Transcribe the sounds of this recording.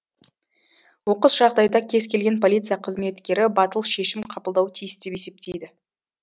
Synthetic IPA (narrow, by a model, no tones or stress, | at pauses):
wo̞qəsʒ̥ɑʁd̪ɑjd̪ɑkʲʰe̞zkʲe̞lɡʲe̞npʰo̞lʲit̪sɨjaqʰəzme̞t̪kʲe̞ɾɪbɑt̪əlˠʃe̞ʃɪmqʰɑpəlˠd̪ɑwt̪ʰijɪsd̪e̞pe̞se̞p̚t̪e̞jd̪ɪ